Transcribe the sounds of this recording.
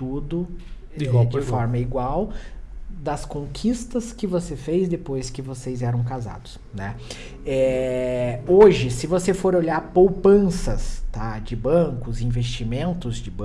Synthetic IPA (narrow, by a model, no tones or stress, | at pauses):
t̪ud̪ʊ | iad͡ʒɪfɔɾmɐiɡwaw | d̪ɐskõkʰist̪ɐskɪvosefejzd̪epojskɪvosejzɛɾɐ̃w̃kaza̰d̪ʊs | nɛ | ɛ | oʒɪsɪvosefoɾoʎaɾpowpɐ̃sɐst̪ad͡ʒɪbɐ̃kʊzĩvest͡ʃimẽnt̪ʊzd͡ʒɪb